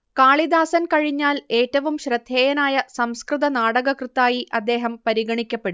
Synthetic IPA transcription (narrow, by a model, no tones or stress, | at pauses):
kaːɭid̪aːsɐnkɐɻiɲːaːle̞ːtːɐʋumɕrɐd̪ʱjeːjɐnaːjɐsɐmskrɨðɐnaːɽɐɣɐkrɨt̪ːaːjiʔɐd̪ːe̞ːɦɐmpɐɾiɡɐɳikʲːɐpːe̞ɽu